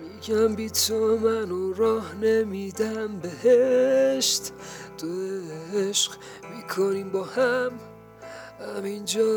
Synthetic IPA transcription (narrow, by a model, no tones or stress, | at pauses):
miɡæmbit̪ʰomænoɾɒːhnemid̪æmbeɦeʃt̪ | d̪̥oeeʃɢ | mikʰoniːmbɒːhæm | æmind͡ʒɒː